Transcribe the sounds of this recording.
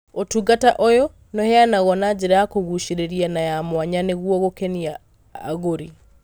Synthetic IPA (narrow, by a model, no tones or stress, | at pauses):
otuɡataʔojo | nɔhɛanaɣɔnad͡ʒeɾaakoɣuʃiɾeɾianajamwaɲaneɣwɔɣokenia̰ː | ɣoɾi